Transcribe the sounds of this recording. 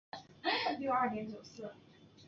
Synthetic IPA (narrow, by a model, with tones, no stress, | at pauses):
ljo˥˧ɐ˞˥˩njɛ˧˥nt͡ɕjo˨˩ʊsɹ̩˥˩